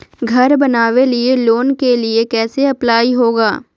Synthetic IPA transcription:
ɡʱɐɾbɐnaːʋelieloːnkeliekɛːseɐplaːiɦoːɡaː

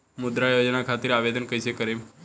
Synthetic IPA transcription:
mʊd̪ɾajod͡ʒnakʰat̪iɾaʋed̪ənkəjt͡ʃʰekəɾem

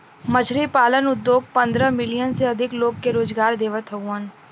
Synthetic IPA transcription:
mɐd͡ʒʰɾipaːlənʊd̪ːjoːɡ̚pɐ̃nd̪ɾə̃mɪlijənseɐd̪ʱɪkloːɡ̚keɾoːzɡaːɾd̪eːʋət̪ʰəwən

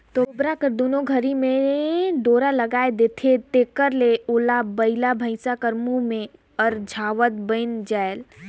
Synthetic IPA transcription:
t̪obɾakəɾd̪onoɡʱəɾimẽd̪oːɾaləɡaːed̪et̪ʰet̪ekəɾleoːlabəɪlabʱəɪsakəɾmumẽ | ɔːɾd͡ʒʱaːʋət̪̚bə̃ɪnd͡ʒael

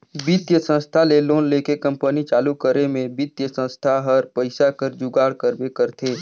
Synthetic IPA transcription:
bit̪jəsə̃nst̪ʰaleloːnleːkekɐ̃mpənit͡ʃaːlukəɾemẽbit̪jəsə̃nst̪ʰaɦəɾpəɪsakəɾd͡ʒʊɡaːɽkəɾbekəɾt̪ʰeː

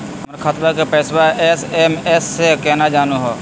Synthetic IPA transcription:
mɾkʰat̪ɾakepɛːswaesemɛːsːekɛːnad͡ʒaːnuɦoː

